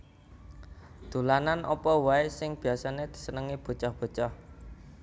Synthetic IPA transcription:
d̪̥ṳlananʔɔ̰pɔwaesɪŋb̥i̤jasaned̪̥i̤̥sənəŋib̥o̤t͡ʃɔhb̥o̤t͡ʃɔh

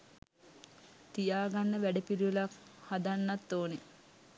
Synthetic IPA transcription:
t̪ijaːɡanːəʋæɖəpiɾiʋelakhad̪anːat̪ːoːne

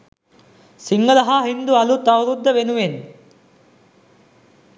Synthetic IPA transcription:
siŋɡələɦaɦind̪ualut̪awɾud̪ːəʋenuʋen

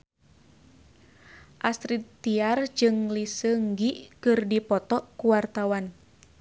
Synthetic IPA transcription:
ʔast̪ɾit̪ːiard͡ʒɨŋlisəŋɡiʔkɨrdipɔt̪ɔʔkuwart̪awan

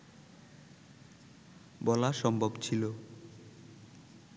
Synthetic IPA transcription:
bɔlaʃɔmbʱobt͡ɕʰilo

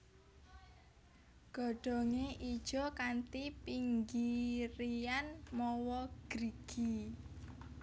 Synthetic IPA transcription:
ɡ̥ɔ̤ɖ̥ɔ̤ŋeʔid̥ʒ̥ɔkant̪ipiŋɡiɾianmɔwɔɡ̥ɾiɡ̥i

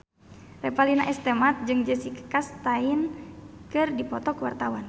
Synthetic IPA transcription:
rɛpalinaʔɛst̪ɛmat̪̚d͡ʒɨŋd͡ʒəsikə̥kast̪ainkɨrdipɔt̪ɔkuwart̪awan

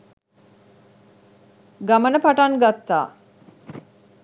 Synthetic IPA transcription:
ɡamənəpaʈanɡat̪ːa̰ː

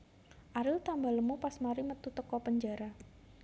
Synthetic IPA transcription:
ʔaɾɪlt̪ambaləmupasmaɾimət̪ut̪əkɔpəɲd͡ʒaɾa

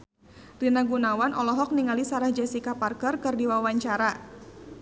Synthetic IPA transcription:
rinaɡunawanʔɔlɔɦɔk̚niŋalisaɾahd͡ʒasikaparkərkɨrdiwawaɲt͡ʃaɾa

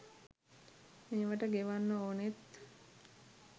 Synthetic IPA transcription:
meːʋəʈəɡeʋanːəoːnet̪

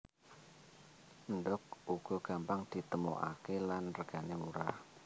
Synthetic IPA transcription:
əndɔk̚uɡ̥ɔ̤ɡ̥a̤mpaŋd̪̥i̤t̪əmo̰ʔa̰kelanrəɡ̥a̤nemuɾah

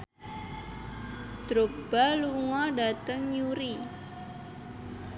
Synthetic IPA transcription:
d̪̥ɾob̥aluŋɔɖat̪əŋjuɾi

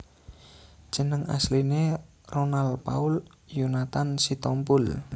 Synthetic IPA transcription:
ʒ̥ə̤nəŋa̰sline | ronalpa̰ul | junat̪ansit̪ɔmpʊl

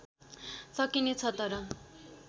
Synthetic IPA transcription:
sʌkinet͡sʰʌt̪ʌɾʌ

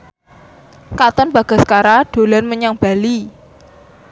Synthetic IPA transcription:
kat̪ɔnb̥a̤ɡ̥a̤skaɾaɖ̥o̤lanməɲaŋb̥ali

